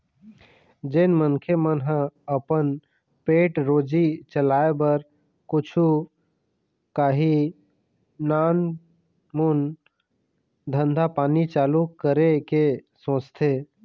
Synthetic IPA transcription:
d͡ʒenmənkʰemənɦə̃əpən | peːʈɾoːd͡ʒit͡ʃəlaːebəɾ | kʊt͡ʃʰu | kaːɦi | naːn | mun | d̪ʱə̃nd̪ʱapaːnit͡ʃaːlukəɾekesõːt͡ʃt̪ʰeː

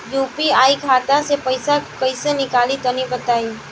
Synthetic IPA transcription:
juːpiaːikʰaːt̪ãsepəɪsakɐisenɪkaːlit̪ɔnĩbət̪aːi

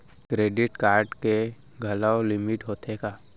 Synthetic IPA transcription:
kɾeːɖɪʈkaːɾɖke | ɡʱɐlaolɪmɪʈɦoːt̪ekaː

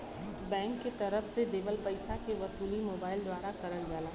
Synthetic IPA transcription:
bɛ̃ːŋkːet̪ɐɾəfsed̪eːʋəlpɐɪsakeʋɐsuːlimoːbaːɪld̪waːɾakɐɾəld͡ʒaːlaː

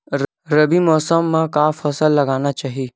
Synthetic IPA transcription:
ɾ | ɾɐbimɔːsəmːẽkaːfɐsəlːɐɡaːnat͡ʃaːɦiː

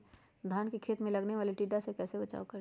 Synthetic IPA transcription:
d̪ʱaːnkekʰeːt̪mẽlɐɡneʋaːliʈiːɖasekɛːsebət͡ʃa̰ːokɐɾ

